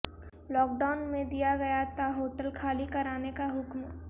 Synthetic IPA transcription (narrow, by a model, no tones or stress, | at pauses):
lɔːk̚ɖaʊnmẽd̪ijaɡɐjat̪aɦoːʈəlkʰaːlikɐɾaːnekaɦʊkm